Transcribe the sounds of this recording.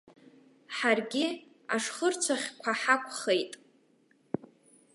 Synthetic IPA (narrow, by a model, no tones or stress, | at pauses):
ħarɡʲi | aʂχərt͡sʷʰaχʲkʷʰaħakʷʰʼχejtʼ